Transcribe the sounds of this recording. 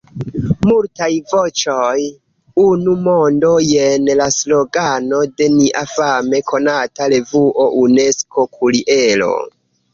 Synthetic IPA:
multajvot͡ʃoj | unumondo̞jenlaslo̞ɡano̞de̞niʔafame̞kʰo̞natale̞vuʔo̞ʔune̞sko̞kʰuliʔe̞lo̞̰

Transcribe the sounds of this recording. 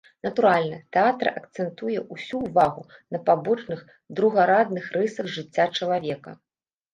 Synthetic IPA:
nɐt̪uɾalʲnɐt̪ɛat̪ɾɐ̰ʔɐkt̪sɛnt̪ujɛʔusʲuːvaɣunɐpabɔt͡ʂnɨx | d̪ɾuɣaɾad̪nɨxrɨsɐɣʐɨt͡sʲːat͡ʂɐlˠavʲɛkɐ̰

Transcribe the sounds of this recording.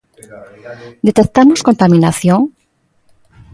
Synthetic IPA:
d̪et̪ek̚t̪amoskont̪amĩnaθjoŋ

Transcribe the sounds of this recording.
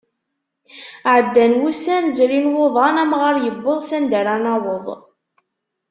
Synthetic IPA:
ʕəd̪ːænwusænzɾinwʊðˤɑnæmʁəɾjəbːəðˤsænd̪æɾænɑwəðˤ

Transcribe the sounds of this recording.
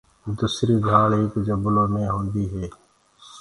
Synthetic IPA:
d̪uːsɾiːɡʱaːleːkd͡ʒəbʊloːmẽːɦõːnd̪iːɦeː

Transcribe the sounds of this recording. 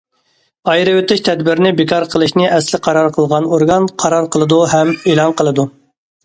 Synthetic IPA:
ɑjɾɨwet̪ɪʃt̪ʰɛd̪bɪɾnɪbɪkʰɑɾqʰəlˠɨʃnɪʔɛslɪqʰɑɾɑɾqʰəlˠʁɑnoɾɡɑnqʰɑɾɑɾqʰəlˠɨd̪uhɛmeːlˠɑnqəlˠɨd̪u

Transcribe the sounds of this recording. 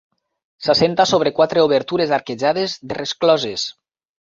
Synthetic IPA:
sasent̪asoβɾekwat̪ɾeoβeɾt̪uɾezaɾkeʒað̞ezðeresklɔzes

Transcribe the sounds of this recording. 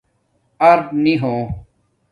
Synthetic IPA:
ɐɾpniɦoː

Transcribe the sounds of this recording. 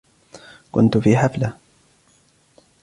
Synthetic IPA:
kʊ̰nt̪ʊfiːħafla

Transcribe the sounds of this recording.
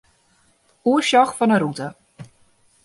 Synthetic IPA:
uəsɔxfɔnəɾutə

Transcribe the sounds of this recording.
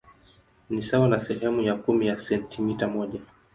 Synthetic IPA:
nisawanasɛɦɛmujakumijasɛntʰimitamɔʄa

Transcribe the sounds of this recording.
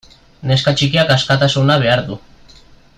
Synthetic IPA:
ne̞skat͡ʃikiakaskat̪asunaβ̞e̞aɾðu

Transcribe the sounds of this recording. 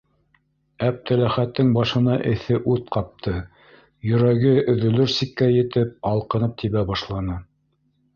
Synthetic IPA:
æp̚t̪æ̆læχæt̪ːɘŋbɑʃɤ̆nɑʔɘ̆θɘʔʉðqɑp̚t̪ʰɤ | jɵ̆ɾæɡɘɵ̆ðɵ̆lɵɾsikːæjɘ̆t̪ɘp̚ɑlˠqɤ̆nɤp̚t̪ʰiβæbɑʃlˠɑnɤ

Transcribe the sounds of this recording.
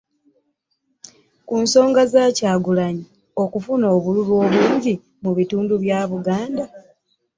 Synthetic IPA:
kunso̞ːŋɡazaːcaːɡulaɲi | o̞kufuno̞ːβululwo̞ːβwuːɲɟi | muβituːnduβjaːβuɡaːnda

